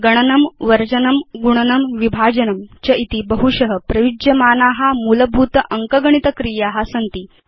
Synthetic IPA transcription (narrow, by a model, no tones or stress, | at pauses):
ɡɐɳ̃ɐnɐmʋɐɾd͡ʑɐnɐmɡuɳ̃ɐnɐmʋibʱaːd͡ʑɐnɐmt͡ɕɐit̪ibəɐɦuɕɐɦəpɾɐʋid͡ʒjɐmaːnaːɦamulɐbʱut̪ɐʔɐŋkɐɡɐɳ̃it̪ɐkɾijaɦasɐnt̪iː